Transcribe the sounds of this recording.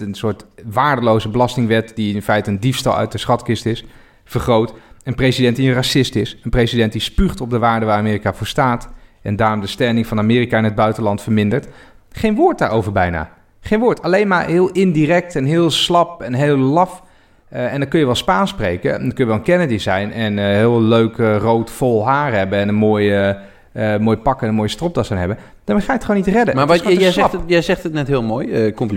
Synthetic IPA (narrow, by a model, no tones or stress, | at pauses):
ənsʊːɹtʋaːɹdəlowzəbəlɑstɪŋʋɛtdiɪɪnfɛjtəəndifstɑ̰lˠœ̰ɥt̚dəsχɑtkɪstɪs | fəɹχrowtənprejsidɛntdiənrasɪstɪsənprejsidɛnt̚dispyχtɔb̚dəʋaːɹdəʋaːɹaːmɪːrikavʊːɹstaːtɛndaːrɔmdəstɛɹnɪŋvɑnamɪːrikaɪnɦəd̚bœɥtənlɑntfəɹmɪndəɹtχejnʋʊːɹt̚daːɹowvəɹbɛjna̰ː | χejnʋʊːɹtʰɑlejnmaːɹɦɪːlˠɪndirɛk̚tɛnɦɪːlˠslɑpɛnɦeːlˠlɑf | ɛndɑkɵnjəʋɛlˠspaːnsprejkə̰ndkɵnjəʋɛlˠəkɛnədizɛjnɛnɦɪːlˠløɥkrowtfɔlˠɦaːɹɦɛbəɛnənmoːjə | moːjəpɑkəɛnənmoːjəstrɔp̚dɑsanɦɛbə | d̥aːɹmeχaːjətχʋonitrɛdəmaːsɛsɑpjɛjzɛχtətnɛtɦɪːlˠmoːjəkɔmp